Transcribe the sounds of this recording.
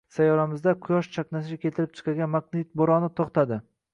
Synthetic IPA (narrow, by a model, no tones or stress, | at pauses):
sajɒɾamɪzd̪aqʰʊjɒʃt͡ʃʰaknas̬ɪɡkʲʰe̞t̪ʰɪɾɪp̚t͡ʃʰɨ̥qʰɑɡʲanmaqnɪt̪̚boɾɒnɪt̪ʰoχt̪ʰad̪ɪ